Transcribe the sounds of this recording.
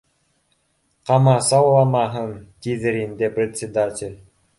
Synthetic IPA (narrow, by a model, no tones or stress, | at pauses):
qɑmɑsɑwlˠɑmɑɦɤnt̪ʲiðɘɾind̪ɘprʲɪt̪ʲsʲɪd̪atʲɪlʲ